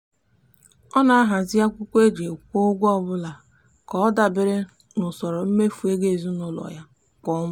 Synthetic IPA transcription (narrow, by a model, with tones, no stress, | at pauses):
ɔ˦na˨a˦ɦa˨zɪ˦ja˦kʷu˦kʷe˦d͡ʒe˨kʷo˦ɡʷɔ˦bʊ˦la˨ | kɔ˦da˨bɪ˦ɾɪ˦ | nʊ˨sɔ˨ɾɔ˨m̩˦me˦fu˨e˦ɡe˦˨zu˦nʊ˦lɔ̰˨ja˦ | kɔ˦mʊ˦